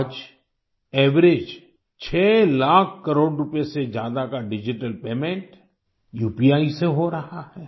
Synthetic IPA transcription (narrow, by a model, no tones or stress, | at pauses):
d͡ʒ | ɛːʋɾed͡ʒ | t͡ʃʰɛːlaːkʰkɐɾoːɽɾʊpesed͡ʒjaːd̪akaɖɪd͡ʒɪʈəlpeːmẽɳʈ | juːpiaːiseɦoɾɐhahɛː